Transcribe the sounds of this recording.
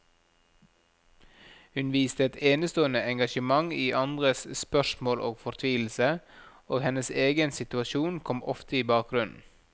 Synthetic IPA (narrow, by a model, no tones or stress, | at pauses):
hʉnʋiːst̪əɛt̪eːnəst̪oːənəɛŋɡɑʃəmɑŋiːʔɑnd̪ʁəsspœʃmoːlʔo̰ːɡfɔɾt̪ʰʋiːl̩sə | oːɡhɛnəseːɡənsɪt̪ʉɑʃuːnkʰɔmɔ̰ft̪əiːbɑːk̚ɡɾʉnn̩